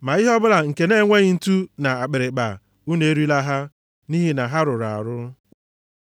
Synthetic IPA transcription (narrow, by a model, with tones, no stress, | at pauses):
ma˨ɪ˦ɦɔ˦bʊ˦la˨ŋ̩˨ke˨ne˦˨ŋʷe˦ɣɪ˦n̩˦tu˦na˨a˨k͡pe˨ɾe˨ɡ͡ba̰˨ | u˦ne˨e˦ɾi˦la˦ɦa˦ | ni˦ɦi˦na˨ɦa˦ɾʊ˨ɾa̰˨a˨ɾʊ˦